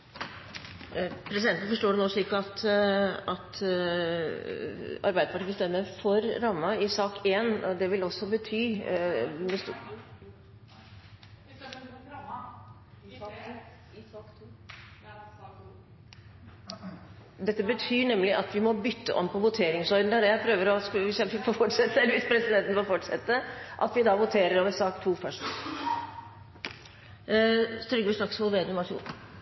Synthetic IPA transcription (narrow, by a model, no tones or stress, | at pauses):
pʰɾɛsɪd̪ɛnn̩fɔʂʈoːɖɛnɔːʂɪkːəɑt̪ | ɑt̪ | ɑ̰ɾbæɪd̪əpɑʈʰiːəst̪ɛmːəɾfɔɾːɑmːɑɪsɑːkeːnɔd̪ɛʋɪlɔsːɔbət̪ʰyː | mɛs | d̪ɛt̪ːəbət̪ʰyːɳɛmːlɪʔɑt̪ʋɪmɔbʏt̪ːə̰ʔɔ̰mːpʰɔʋʊt̪ʰeːɾɪŋsɔʏd̪n̩əɾjæpʰɾøːʋəɾɔskʋɪsɪfofɔʈːʂɛt̪ːəɛlːəʋɪspʰɾɛsɪd̪ɛnt̪nfɔlfɔʈʂɛt̪ːəʔɑ̰t̪ʋɪd̪ɑʋʊt̪ʰeːɾəɾoːʋəɾsɑːkt̪ʰuːfœʂt | st̪ɾʏɡəʂɾɑkshɔːlʋeːd̪əmɑṵ